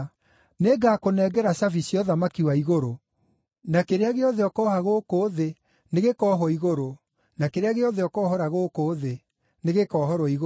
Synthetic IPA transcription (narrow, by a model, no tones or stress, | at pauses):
neɡaːkonɛːɡɛɾasavisjɔðamakiwaiɣoɾo | nakeɾeaɣeɔðeɔkɔːhaɣokoːðe | neɣekɔɦɔiɣoɾo | nakeɾeaɣeɔðeɔkɔːhɔɾaɣokoːðe | neɣekɔːhɔɾɔiɣo